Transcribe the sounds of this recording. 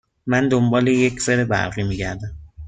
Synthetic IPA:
mænd̪ombɒːlejecʰseɾebæ̰ɾʁiːmiːɟæɾd̪æm

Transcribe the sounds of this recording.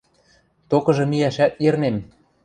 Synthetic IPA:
t̪okɤ̆ʒɤ̆mijæʃæt̪̚ernem

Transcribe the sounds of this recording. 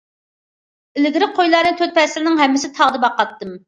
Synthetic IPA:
ɪlɪɡʲɪɾɪqʰojlˠɑɾnɨt̪ʰøt̪̚pʰɛsɪlɪnɪŋɦɛmːɪsɪt̪ʰɑʁd̪ɨbɑqːɑt̪ːɨm

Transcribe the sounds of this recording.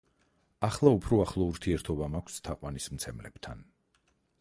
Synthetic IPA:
aχlˠaupʰɾɔaχlˠɔuɾt̪ʰiɛɾt̪ʰɔbamakʷʰst̪ʰaqʼwanismt̪sʰɛmlɛ̰b̥t̪ʰa̰n

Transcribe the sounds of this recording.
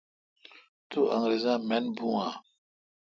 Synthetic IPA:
t̪uʔã̰ŋɾezãmɛnbũã

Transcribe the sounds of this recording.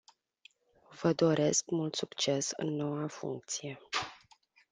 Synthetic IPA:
vəd̪o̞ɾʔe̞skmult̪sukt͡ʃe̞sɨ̰nːo̞wafṵŋk̚t̪sije̞

